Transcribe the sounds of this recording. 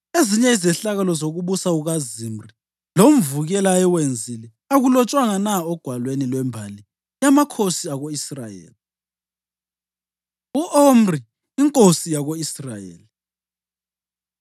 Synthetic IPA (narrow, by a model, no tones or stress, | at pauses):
eziɲɛizɛɬaɣalɔzoɣuβusauɣazimri | lom̩vuɣɛlaɛwend͡zʱilɛ | aɣulɔt͡ʃʼwaŋanaɔɡ̥ʱwalwenilwɛmbʱali | jamakʰosiaɣoisra̰jḛːli | uʔomri | iŋkʼosijaɣoisrajḛːli